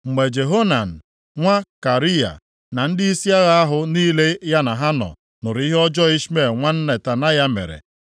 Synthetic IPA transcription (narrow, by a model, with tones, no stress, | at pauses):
ŋ͡m̩˨me˨d͡ʒe˨ɦo˦na˨n̩˨ | ŋʷa˦ka˨ɾi˦ja̰˨ | na˨n̩˦dɪ˦i˦si˦a˦ɣa˦a˦ɦʊ˦niː˦le˦ja˦na˨ɦa˦nɔ̰˨ | nʊ˨ɾi˦ɦɔ˦d͡ʒɔ˦i˦ʃme˨ŋʷa˦n̩˦ne˨ta˨na˦ja˦mḛ˨ɾḛ˨